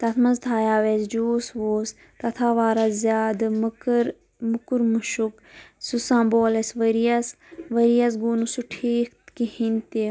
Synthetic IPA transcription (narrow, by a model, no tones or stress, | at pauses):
t̪ɐt̪ʰmɐnzd̪ʰʱaːjaːʋeːzd͡ʒuːsʋoːs | t̪ɐt̪ʰaːʋaːɾazʲjaːd̪mkɾ | mʊkuɾmuʃuk | susãːmboːlesʋɐɾijas | ʋɐɾijas̬ɡuːnusuʈʰiːkt̪kihĩnt̪e